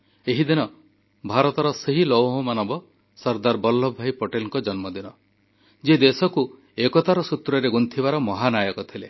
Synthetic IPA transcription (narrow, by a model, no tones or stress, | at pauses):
eɦid̪inɔ | bʱaɾɔt̪ɔɾɔseɦilɔwɦɔmanɔbɔ | sɔɾd̪aɾbɔlːɔbʱajpoʈelŋkɔd͡ʒɔnmɔd̪inɔ | d͡ʒed̪esɔku | ekɔt̪aɾɔsut̪ɾɔɾeɡunt̪ʰibaɾɔmɔɦanajɔkɔt̪ʰile